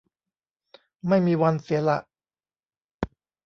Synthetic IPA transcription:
ma˥˩jmiː˧wa˧nsi˨˩˦la̰˨˩ʔ

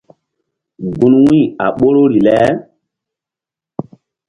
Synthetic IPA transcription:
ɡũ˦nwĩ˦˨a̰˨ɓo˦ɾo˦ɾi˨lɛ˦

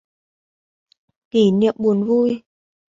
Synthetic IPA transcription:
ki˧˩˦nḭ˧˨əm̚ɓu˨˩ənvu˧j

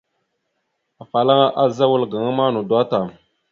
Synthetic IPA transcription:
a˨fa˨la˦ŋa˦ʔa˦za˦wu˦lɡa˨ŋa˦ma˦nu˨da˦ta˨m

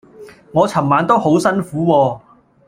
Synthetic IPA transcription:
ŋɔː˨˧t͡sʰɐ˨˩maː˨˧nt̪o˥who˨˥wsɐ˥nfuː˨˥wɔː˧

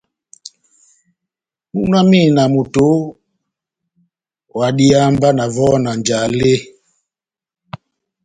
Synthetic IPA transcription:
mu˦na˦mi˦˨na˨mu˨to˨˦ | wa˨ɗi˦a˦mba˦na˨vɔ˦na˨nd͡ʒa˨le˦

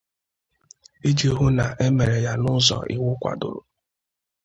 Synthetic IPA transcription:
e˦d͡ʒe˦ɦu˦na˨ʔe˦me˨ɾe˨ja˦nʊ˦zɔ̰˨ʔi˨wʊ˦kʷa̰˨dʊ̰˨ɾʊ̰˨

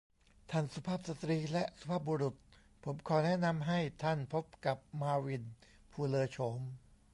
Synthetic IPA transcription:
t̪ʰa˥˩nsu˧pʰaː˥˩p̚sa˨˧t̪ɾiː˧lɛ˦˥ʔsu̥˧pʰaː˥˩p̚boː˧ɾu˨˩t̪̚ | pʰo˩˦mkʰɔː˨˦nɛ˦˥˨na˧mɦa˥˩jt̪ʰa˥˩npʰo˦˥p̚ka˨˩p̚maː˧wi˧n | pʰuː˧lɤː˧t͡ɕʰo˩˦m

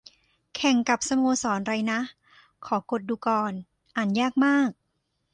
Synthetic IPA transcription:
kʰɛ˨˩ŋka˨˩p̚sa˧moː˧sɔː˩˦nɾa˧jna˦˥ | kʰɔː˩˦ko˨˩t̪̚duː˧kɔː˧n | ʔaː˨˩njaː˥˩k̚maː˥˩k̚

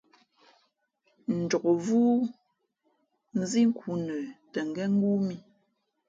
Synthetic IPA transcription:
n̩˨d͡ʒɔ˨ko˨vuː˦ | n̩˦zi˦ŋ̩˦ku˨nə˨tɛ˨ŋ˨ɡɛ˦ŋ̩˦ɡu˦mi˦

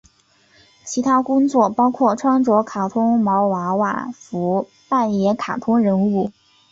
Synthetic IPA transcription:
t͡ɕʰi˧˥t̪ʰa˥kʊ˥ŋt͡swɔ˥˩pɑ˥ʊkʰwɔ˥˩ʈ͡ʂʰwɑ˥ŋʈ͡ʂwɔ˧˥kʰa˨˩t̪ʰʊ˥ŋmɑ˧˥ʊwa˧˥wa̰˨˩fu˧˥ | pa˥˩njɛ˧˥kʰa˨˩t̪ʰʊ˥ŋɻə˧˥nu˥˩

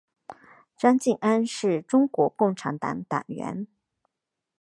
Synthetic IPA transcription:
ʈ͡ʂa˥nt͡ɕi˥˩ŋa˥nʂɻ̩˥˩ʈ͡ʂʊ˥ŋkwɔ˧˥kʊ˥˩ŋʈ͡ʂʰa˧˥nt̪ɑ̰˧˩ŋt̪a̰˨˩ŋɥɛ̰˧˥n

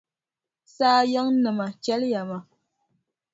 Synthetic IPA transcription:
saː˦ja˦ŋ˦nɨ˨ma˨t͡ʃɛ˦lja˨ma˨

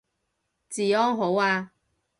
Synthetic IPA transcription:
t͡siː˨˩ɔː˥ŋɦo˨˥waː˧

